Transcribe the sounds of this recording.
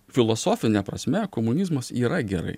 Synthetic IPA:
fʲɪlˠɔsoːfʲɪnʲɛpɾɐsʲmʲɛkomʊnʲizmɐsiːɾɐɡʲɛɾɐ̰ɪ

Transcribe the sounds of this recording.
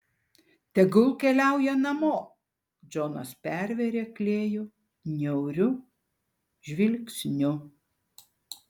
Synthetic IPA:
t̪ʲɛɡʊlˠkʲɛlʲæˑʊjɛnɐmoː | d͡ʒʲoːnɐ̰spʲæɾʲʋʲɛɾʲeːklʲeːjʊ | nʲɛʊɾʲʊ | ʒʲʋʲɪlʲksʲnʲʊ

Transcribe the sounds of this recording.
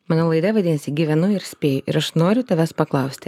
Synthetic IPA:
mɑːnoːlˠɐɪd̪ɐʋɐd̪ʲɪːnɐsʲɪɡʲiːʋʲɛnʊɪɾsʲpʲeːjʊʔɪɾɐʃnoːɾʲʊt̪ɐʋʲɛspɐklˠɐʊsʲt̪ʲɪ

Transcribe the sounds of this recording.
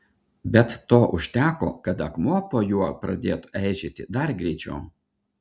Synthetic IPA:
bʲɛt̪ːoːʔʊʃʲt̪ʲæːko̰ːkɐt̪ɐkmuɔpoːjuɔpɾɐd̪ʲeːt̪ʊʔɛˑɪʒʲet̪ʲɪd̪ɐɾɡɾʲɛɪt͡ʃʲɛ̰ʊ

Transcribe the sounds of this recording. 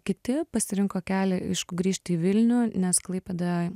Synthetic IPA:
kʲɪt̪ʲɪpɐsʲɪɾʲɪŋkoːkʲæːlʲɪʔɪʃkʊɡɾʲiːʃt̪ʲiːʋʲɪlʲnʲuːnʲɛsklˠɐɪpʲed̪ɐʋ

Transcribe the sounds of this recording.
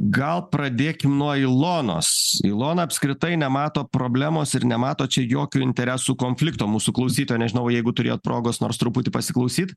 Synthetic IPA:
ɡɐlˠpɾɐd̪ʲeːkʲɪmnuɔɪlˠoːno̰ːsɪlˠoːnɐɐpʲskɾʲɪt̪ɐɪnʲɛmɑːt̪oːpɾoːbʲlʲæːmoːsɪɾnʲɛmɑːt̪oːt͡ʃʲɛjoːkʲuːɪnʲt̪ʲɛɾʲæsuːkoːnʲfʲlʲɪkt̪oːmuːsuːklˠɐʊsʲiːt̪oːjnʲɛʒʲɪnɐʊjɛɪɡʊt̪ʊɾʲḛːjoːt̪pɾoːɡoːsno̰ːɾst̪ɾʊpʊt̪ʲɪpɐsʲɪklˠɐʊsʲiːt̪

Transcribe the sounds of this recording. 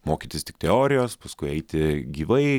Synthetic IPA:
moːkʲit̪ʲɪst̪ʲɪ̥k̚t̪ʲɛoːɾʲɪjoːspɐskʊɪɛɪt̪ʲɪɡʲiːʋɐɪ

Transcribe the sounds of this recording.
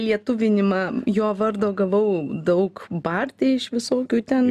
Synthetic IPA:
lʲiɛt̪ʊʋʲɪnʲɪmɑːjoːʋɐrd̪oːɡɐʋɐʊd̪ɐʊkbɐrʲt̪ʲeːɪʃʋʲɪsoːkʲuːt̪ʲɛn

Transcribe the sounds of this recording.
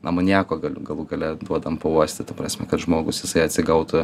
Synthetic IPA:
nɐmɐnʲiːkoːɡɐlʲʊɡɐlˠuɡɐlʲɛd̪uɔd̪ɐmpɐuɔsʲt̪ʲɪt̪ɐpɾɑsʲmʲɛkɐt̪ʒmoːɡʊsjɪsɐɪɐt̪ʲsʲɪɡɐʊt̪ʊ

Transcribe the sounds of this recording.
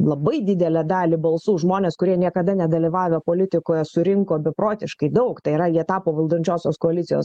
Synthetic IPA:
lˠɐbɐɪd̪ʲɪd̪ʲɛlʲɛd̪ɑːlʲɪbɐlˠsuːʒmoːnʲeːskʊɾʲiɛnʲiɛkɐd̪ɐnʲɛd̪ɐlʲiʋɑːʋʲɛpoːlʲɪt̪ʲɪkoːjɛsʊɾʲɪŋkoːbʲɛpɾoːt̪ʲɪʃkɐɪd̪ɐʊkt̪ɐɪiɾɐiɛt̪ɑːpoːʋɐlˠd̪onʲt͡ʃʲoːsʲoːskoːɐlʲɪt̪sʲɪjo̰ːs

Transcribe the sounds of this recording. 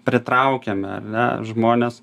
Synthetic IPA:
pʲɾʲɪt̪ɾɐʊkʲeːmʲɛɐ̰rnʲɛ̰ʒmoːnʲeːs

